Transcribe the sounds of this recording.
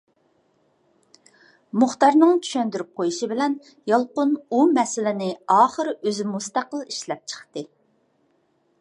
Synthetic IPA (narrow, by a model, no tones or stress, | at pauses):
mʊχt̪ɑɾnɨŋt͡ʃʰy̥ʃɛnd̪yɾyp̚qʰojuʃibɪlɛn | jɑlˠqʊnumɛsɪlɪnɪɑːχəɾøzɪmust̪æqəlˠiʃlɛp̚t͡ʃʰə̥χt̪ɨ